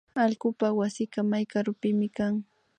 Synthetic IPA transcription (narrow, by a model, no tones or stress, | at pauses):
alɢʊpawasɪkamajkaɾʊpɪmɪkaŋ